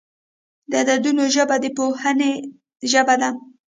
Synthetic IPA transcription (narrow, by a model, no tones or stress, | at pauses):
d̪ad̪ad̪unoʒəbad̪əpohəne | ʒəbad̪a